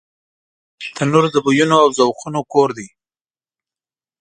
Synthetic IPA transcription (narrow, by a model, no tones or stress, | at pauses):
t̪ʰanoɾzabujunoawzawxunokoɾd̪i